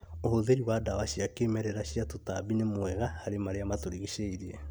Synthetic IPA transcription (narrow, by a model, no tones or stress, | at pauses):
ohoðeɾiwadawaɕiakeːmɛɾɛɾaɕiatotaβinemwɛɣahaɾemaɾeamatoɾiɣiʃeiɾie